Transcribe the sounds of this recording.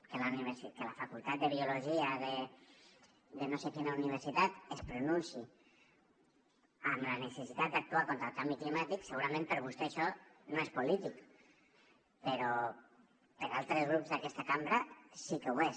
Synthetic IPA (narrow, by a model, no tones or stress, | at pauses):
kelaniβeɾsikelafakulˠt̪at̪̚d̪əβ̞iuloʒiaðe | d̪enosekenauniβ̞əɾsit̪at̪espɾununsi | əmlanesesit̪at̪̚d̪ak̚t̪uakont̪ɾalˠkambiklimat̪ikseɣuɾamẽmpəɾβust̪eaʃɔnoespulit̪ik | peɾɔ | peɾalˠt̪ɾezɣ̞ɾupzðakɛst̪akambɾasikewe